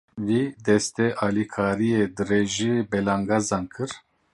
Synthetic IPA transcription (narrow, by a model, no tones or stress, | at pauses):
wid̪ɛst̪ɛʔaːlikʰaːɾijed̪ɨɾeʒibɛlaŋɡazankʰɨɾ